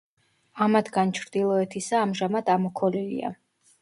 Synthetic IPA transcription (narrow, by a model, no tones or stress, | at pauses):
amat̪ʰɡant͡ʃʰɾd̪̥ilˠɔɛt̪ʰisaːmʒamad̪amɔkʰɔlilḭa̰